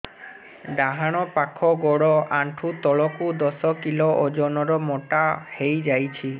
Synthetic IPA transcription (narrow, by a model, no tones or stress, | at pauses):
ɖaɦaɽ̃ɔpakʰɔɡɔɽɔʔaɳʈʰut̪ɔɭɔkud̪ɔsɔkilɔʔod͡ʒɔnɔɾɔmɔʈahejd͡ʒajt͡ʃʰi